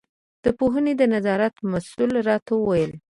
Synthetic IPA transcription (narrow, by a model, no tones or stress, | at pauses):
d̪̥əpoɦəned̪ənazɑɾat̪masulɾɑt̪awəwajəl